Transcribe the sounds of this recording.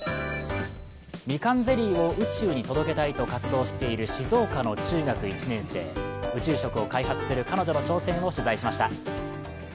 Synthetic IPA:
mʲikãnd͡ze̞ɾʲiːo̞ʔɯ̟t͡ɕɨːɲ̟it̪o̞d̪o̞ke̞t̪ait̪o̞kat͡sɨd̪o̞ːɕi̥t̪e̞iɾɯ̟ɕizo̞ːkano̞t͡ɕɨːɡakɯ̟it͡ɕinẽ̞ɰ̃se̞̰ːɯ̟t͡ɕɨːɕo̞kɯ̟o̞kaiɦat͡sɨ̥sɨɾɯ̟kano̞ʑo̞no̞t͡ɕo̞ːsẽ̞ŋ̃o̞ɕɨzaiɕimaɕi̥t̪a

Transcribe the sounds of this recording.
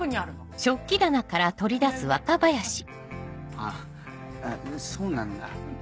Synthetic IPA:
ɯɲ̟iaɾɯ̟oɕo̞kʲːid̪anakaɾat̪o̞ɾʲid̪asɨβakabajaɕi̥ | a | soːnãnd̪a̰

